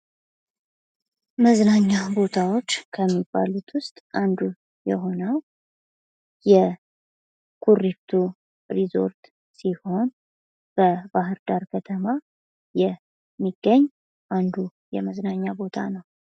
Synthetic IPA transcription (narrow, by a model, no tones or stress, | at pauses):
məznaɲːabo̞t̪ʰawo̞t͡ʃːkʰəmːibːa̰lut̪ʰwʊst̪ʼʔand̪u | jɛɦo̞nəw | jɛ | kʰurːit̪ʰu | ɾizo̞̰ɾt̪ | siho̞n | b̥əbaɦɨɾd̪aɾkʰət̪ʰəma | jɛ | mːiɡ̥ːəɲː | ʔand̪ujɛməznaɲːabo̞t̪ʰa̰nəw